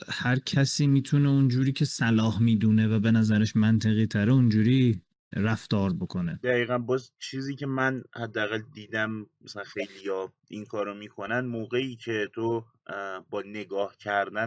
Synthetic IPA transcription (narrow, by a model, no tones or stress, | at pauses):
hæɾcʰæsiːmiːt̪ʰune̞und͡ʒuːɾiːcʰe̞sælɒːhmiːd̪uːne̞væbe̞næzæɾæʃmænt̪ʰe̞ɣiːt̪ʰæɾeund͡ʒuːɾiː | ɾæft̪ɒːɾbo̞kʰo̞ne̞d̪̥æɣiːɣænbɒːzt͡ʃʰiːziːcʰe̞mænhæd̪ːææɣæld̪iːd̪æmmæsælænxe̞jlijɒː | inkʰɒːɾomiːkʰo̞nænd̪moːɣe̞iːcʰe̞t̪ʰo | bɒːne̞ɡɒːhcʰæɾd̪æn